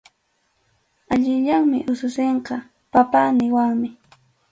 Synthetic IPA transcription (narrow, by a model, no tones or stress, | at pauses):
aʎɪʎaŋmɪ̰ʔʊsʊseɴqɑ | papanɪwaŋmɪ